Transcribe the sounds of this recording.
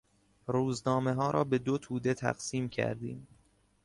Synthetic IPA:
ɾuːznɒːmeɦɒːɾʔɒ̰ːbe̞d̪ot̪ʰuːd̪e̞t̪ʰæ̰ɢsiːmcʰæ̰ɾd̪ḭːm

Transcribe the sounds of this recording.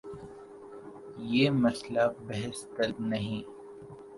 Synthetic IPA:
jeːmɐslabɛɦɪst̪ɐlnɐɦĩː

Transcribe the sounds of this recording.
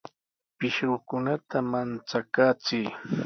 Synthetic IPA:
pɪʃɾʊkʊnat̪amant͡sakaːt͡sɪj

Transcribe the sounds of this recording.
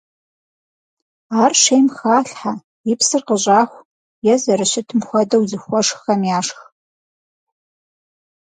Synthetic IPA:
aːrʂejmxaːɬħa | ipsɨrqəɕʼaːxʷ | jɛzɐɾɨɕɪtʰɨmxʷɔdɐwzɨxʷɔʂxɐmjaːʂx

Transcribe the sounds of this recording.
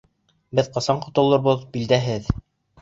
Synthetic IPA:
bɘðqɑsɑɴqŏt̪ŏlˠŏɾβɤðbild̪æɦɘð

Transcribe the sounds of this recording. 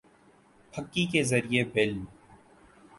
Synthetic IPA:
pʰəkːikezɐɾiebɪlm

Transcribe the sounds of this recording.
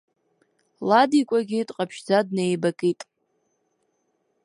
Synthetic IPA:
ladikʷʼaɡʲiːtʼqʼapʰʃd͡zadnejbakʼitʼ

